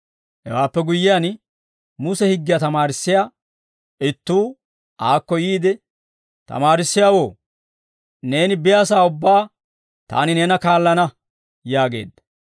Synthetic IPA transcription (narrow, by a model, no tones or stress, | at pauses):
hɛ̰waːpːɛɡʊjːɪjaːn | mʊsɛhɪɡːɪjɐt̪ɐmaːɾɪsːɪja | ɪt̪ːuː | aːkːɔjiːd̪ɛ | t̪ɐ̰maːɾɪsːɪjaːwo̞ː | ne̞ːnɪbɪjaːs̬aːʊbːaː | t̪a̰ːnɪneːnɐkaːlːɐnɐ | jaːɡe̞̰ːd̪ːɐ̥